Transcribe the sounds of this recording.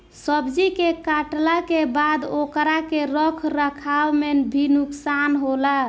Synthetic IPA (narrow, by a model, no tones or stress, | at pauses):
səbd͡ʒikekaʈlakebad̪okɾakeɾəkʰɾəkʰawmenbʱinuksanɦola